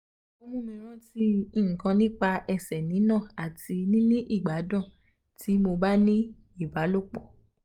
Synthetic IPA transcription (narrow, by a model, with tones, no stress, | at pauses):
o˧mũ˦mĩ˧ɾ̃ɔ̃˦ti˦ĩ˦˨kã˧nĩ˦k͡pa˧ɛ˧sɛ˨nĩ˨˦nã˦˨a˨ti˧nĩ˦nĩ˦ʔi˦˨ɡ͡ba˨˦dã˦˨ | tʰi˨˦mo˧ba˦nĩ˦ | i˦˨ba˨˦lo˦k͡pɔ˦˨